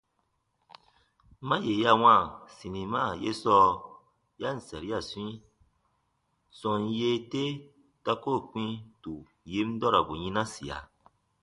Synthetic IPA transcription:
mã˦je˨˦ja˧w̃ã˦˨sĩ˨nĩ˨ma˦˨je˦sɔ˦ | ja˦n̩˨sa˨ɾi˦a˦˨swĩ˦ | sɔ̃˧n˦je˦te˦ | ta˧ko˦˨k͡pĩ˦tu˨ | ji˦m˦dɔ˦ɾa˨bo˨ɲĩ˧˦nã˦si˨a̰˨

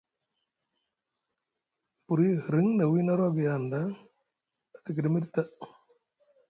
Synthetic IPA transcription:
pu˨ɾi˦hɾi˦ŋna˨wi˦na˦ɾa˦ɡi˨janda˦ | at̪i˨ki˨ɾi˦mi˦ɾt̪a˦

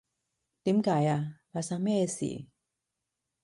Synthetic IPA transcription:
t̪iː˨˦mkaː˨˦jaː˧paː˧sa˧˥ŋmɛː˥˧sḭː˨˩˦

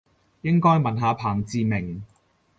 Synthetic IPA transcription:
jɪ˥ŋkɔː˥jmɐ˨nɦaː˨˧pʰaː˨˩ŋt͡siː˨˧mɪ˨˩ŋ

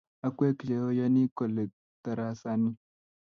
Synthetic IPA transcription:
a˦kʷe˦ki˨le˨o˦ja˦ni˦ko˨le˨ | t̪a˨ɾa˦sa˦ni˦

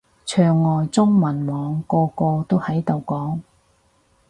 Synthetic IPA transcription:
t͡ʃʰœː˨˩ŋːɔː˨jt͡sʊ˥ŋmɐ˨˩nmɔː˨˧ŋkɔː˧kɔː˧t̪o˥whɐ˨˥jt̪o˨wkɔː˨˥ŋ

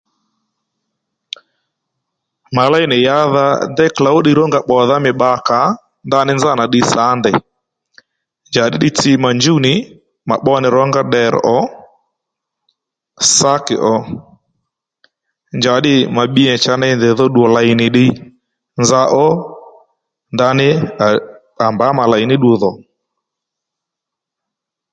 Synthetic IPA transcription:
ma˨la˦jnɪ˨ja˦ða̰˦dɛ˦kla˨o˦ɗɪ˦ɾɔ˦ŋɡa˦˨ɓɔ˨ða˦mɪ˨ɓa˨˦ka˨˦ | nda˦nɪ˦nza˦˨na˨ɗɪ˧sa˨˦ndɛ˨ | nd͡ʒa˨ɗɪ˦ɗɪ˦t͡sɪ˦ma˨nd͡ʒu˦nɪ˨ | ma̰˨ɓɔ˦nɪ˨ɾɔ˦ŋɡa˦ɗɛ˨ɾ̰ʔɔ˦ | sa˦kɪ̰˨ʔɔ˧ | nd͡ʒa˨ɗɪ˦ma˨ɓi˦ɛ˨t͡ʃa˧na˦nðɪ˨ðɔ˦ɗu˨ɔ˨la˨i˨nɪ˨ɗɪ˦ | nza˦ʔɔ˦ | nda˧˦nɪ˦˨ | a˨mba˨˦ma˨la˨i˨nɪ˦ɗu˧ðɔ˨

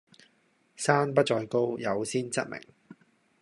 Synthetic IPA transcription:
saː˥npɐ˥t̚t͡ʃɔː˧jko˥wjɐ˨˧wsiː˥nt͡sɐ˥t̚mɪ̰˨˩ŋ

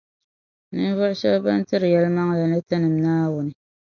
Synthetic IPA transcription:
nɨ˦n˦vɔ˦ʔʊ˦ʃɛ˦bba˦n˦tɨ˦ɾɨ˨jɛ˦lma˦ŋla˨nɨ˦tɨ˦nɨ˨mnaː˦wʊ˨nɨ˨

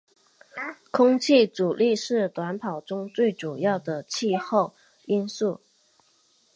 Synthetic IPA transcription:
kʰʊ˥ŋt͡ɕʰi˥˩t͡su˨˩li˥˧ʂɻ̩˥˩t̪wa˧˥npʰɑ˨˩ʊʈ͡ʂʊ˥ŋt͡swe˥˩ɪʈ͡ʂu˨˩jɑ˥˩ʊd̪ə˩t͡ɕʰi˥˧xo˥˩ʊ | i˥nsu˥˩

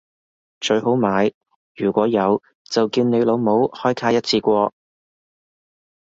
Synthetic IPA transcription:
t͡ʃɵ˧ɥho˨˥wmaː˨˧j | jyː˨˩kʷɔː˨˥jɐ˨˧w | t͡sɐ˨wkiː˧wne˨˧lo˨˧wmo˨˥whɔː˥jkʰaː˧jɐ˥t̚t͡sʰiː˧kʷɔː˧

